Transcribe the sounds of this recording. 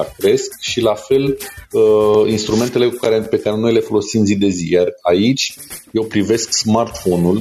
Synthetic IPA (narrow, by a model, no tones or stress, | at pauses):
kɾe̞skʃilafe̞ləinst̪ɾume̞nt̪e̞le̞kukaɾe̞pe̞kaɾe̞nojle̞fo̞lo̞simzid̪e̞zijarait͡ʃʲje̞wpɾive̞sksmart̪fo̞nul